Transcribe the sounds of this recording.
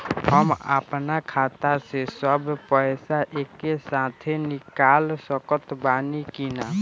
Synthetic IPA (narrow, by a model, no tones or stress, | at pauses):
ɦəmə̰pnakʰaːt̪asesəbpəjsaʔekːesat̪ʰenɪkaːlsəkət̪baːnikina